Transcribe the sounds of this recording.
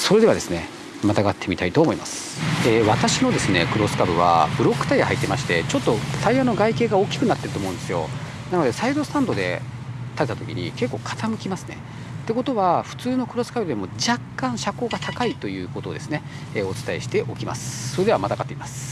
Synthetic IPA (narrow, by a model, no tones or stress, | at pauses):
so̞ɾe̞d̪e̞βad̪e̞sɨne̞̰ | mat̪aɡat̪ʰːe̞mʲit̪ait̪o̞ːmo̞imasɨ̥eːβat̪aɕino̞d̪e̞sɨne̞̰kɯ̟ɾo̞sɨ̥kabɯβa̰bɯ̟ɾo̞kːɯ̥t̪aiahait̪ːe̞maɕi̥t̪e̞t͡ɕo̞t̪ːo̞t̪aiβano̞ɡaike̞ːɡaoːkʲi̥kɯ̟nat̪ːe̞ɾɯ̟t̪omoɯ̃d̪esɨjo̞̰ | nano̞d̪e̞said̪o̞sɨ̥t̪ãnd̪o̞d̪e̞̰t̪at̪et̪at̪o̞kʲḭɲ̟ḭke̞kːo̞ːkʰḁt̪amɯ̟kʲimasɨ̥ne̞̰ | t̪ːe̞ko̞t̪o̞βaɸɯ̟̥t͡sɨːno̞kɯ̟ɾo̞sɨ̥kabɯ̟d̪emo̞d͡ʑakːãɰ̃ɕako̞ːɡat̪ʰakait̪o̞jɯ̟ːkot̪o̞ːd̪e̞sɨne̞ | eːo̞t͡sɨ̥t̪aḛɕi̥t̪e̞ʔo̞kʲima̰sɨ̥so̞ɾe̞d̪e̞βamat̪aɡat̪ːemimasɨ̥